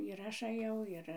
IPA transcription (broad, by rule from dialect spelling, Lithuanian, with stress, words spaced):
ɪr ˈɐʃ ɐˈjɛʊ ˈɪr